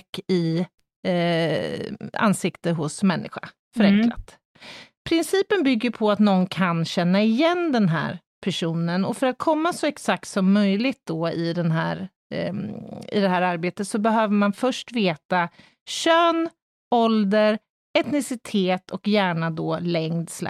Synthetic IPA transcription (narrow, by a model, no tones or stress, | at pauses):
kːɪ | a̰nsɪkt̪əɦʊsmɛnːɪ̰ɧa̰ | fœɾɛŋkla̰t̪ | pʰɾɪnsiːpənbʏɡːəpʰɔat̪nɔnːkʰanɕɛnːaɪjɛnd̪ɛnɦæ̰ːɾ | pʰæʂuːnənɔfœɾat̪̚kʰɔmːasɔɛksak̚t̪sɔmːœjlɪɡ̚t̪̚d̪ɔɪd̪ɛnɦæ̰ːɾ | ɪ̰d̪ɛɦæːɾaɾbeːt̪ət̪sɔbɛɦøːvəɾmanfœʂʈveːt̪a | ɕøːn | ɔld̪əɾ | ɛt̪nɪsɪt̪ʰeːt̪ʰɔkjæːɳad̪ɔlɛŋd̪sla̰